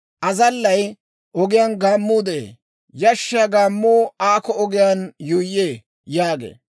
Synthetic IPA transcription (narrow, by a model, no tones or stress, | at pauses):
ʔɐzɐlːɐj | ʔɔɡɪjaːnɡaːmːuːd̪ɛʔḛː | jɐʃːɪjaɡaːmːuːaːkɔɔɡɪjaːnjʊjːeː | jaːɡḛː